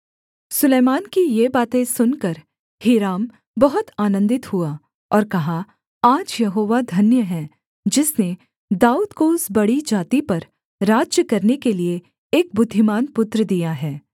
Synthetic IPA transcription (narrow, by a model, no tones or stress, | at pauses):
sʊleːmaːnkijebaːt̪ẽsʊnkɐɾ | hiːɾaːm | bɐɦʊt̪aːnə̃nd̪ɪt̪ɦua | ɔːɾkɐɦa | aːd͡ʒjɐɦoːʋad̪ʱɐnjəɦɛ̃ | d͡ʒɪsne | d̪aːuːd̪koʊsbɐɽid͡ʒaːt̪ipɐɾ | ɾaːd͡ʒjəkɐɾnekelie | eːk̚bʊd̪ʱːɪmaːnpʊt̪ɾəd̪ijaɦɛː